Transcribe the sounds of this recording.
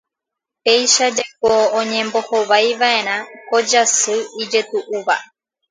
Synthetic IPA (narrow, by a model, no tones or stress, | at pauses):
t̪e̞jʃad͡ʒekoõɲẽ̞mbo̞hoʋajʋae̞ɾ̃ãko̞d͡ʒasɨid͡ʒe̞t̪uʔuʋa̰